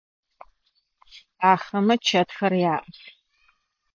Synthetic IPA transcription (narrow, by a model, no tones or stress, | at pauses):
aːχɐmɨt͡ʃʰɐtxɐrjaːʔʼ